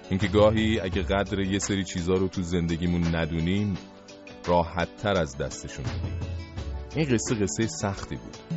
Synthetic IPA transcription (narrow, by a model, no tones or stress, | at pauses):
ʔiŋcʰe̞ɡɒːɦiːæɟeɣæd̪ɾe̞je̞seɾiːt͡ʃʰiːzɒːɾo̞t̪ʰuze̞nd̪e̞ɟiːmunːæd̪uːniːm | rɒːhæt̪ʰːæɾæzd̪æst̪e̞ʃunbud̪ḭmʔinɢe̞sːe̞ɣe̞sːejesæxt̪ʰiːbṵːd̪̥